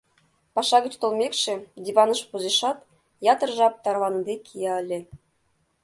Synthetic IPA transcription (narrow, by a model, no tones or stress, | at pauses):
pɑʂɑɡɤ̆t͡ɕt̪ŏlˠmʲekʲʃĕdʲiβɑnɤ̆ʂpuzeʃɑt̪ | jɑt̪ɤ̆rʒɑp̚t̪ɑrlɑnɤ̆d̪ʲekʲʰijɑɤ̆lʲĕ